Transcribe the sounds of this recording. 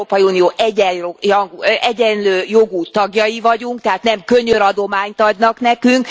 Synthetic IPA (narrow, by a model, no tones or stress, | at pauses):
oːpɒjiuːnioːʔɛɟɛojɒɡʔɛɟɛnløːjo̞ɡut̪ɒɡjɒjivɒɟuŋk̚t̪ɛɦaːt̪nɛmkø̞ɲøɾɒd̪o̞maːɲt̪ɒd̪nɒknɛkyŋk